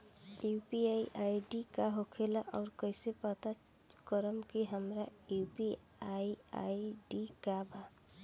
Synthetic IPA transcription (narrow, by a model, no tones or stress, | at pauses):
jupiaiʔaːiɖikaɦokʰelaʔɔːɾkəɪsepət̪a | kəɾəmkiɦəmɾajupi | aia̰iɖikabʱa